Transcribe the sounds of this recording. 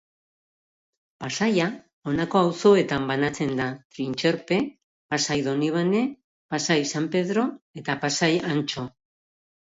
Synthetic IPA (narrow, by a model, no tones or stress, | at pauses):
pasaja | o̞nako̞awso̞e̞t̪ambanat͡se̞nd̪at̪ɾint͡ʃe̞ɾpe̞ | pasajðo̞niβ̞ane̞ | pasajsampe̞ðɾo̞e̞t̪apasajant͡ʃo̞